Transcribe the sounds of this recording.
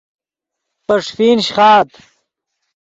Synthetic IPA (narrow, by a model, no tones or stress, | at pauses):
pɐʂfiːnɕχaːt̪